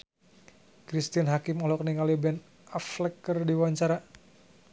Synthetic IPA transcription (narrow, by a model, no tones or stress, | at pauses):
kɾist̪ianɦakɪmɔlɔk̚niŋalibɛn | aflɛkərdiwaɲt͡ʃaɾa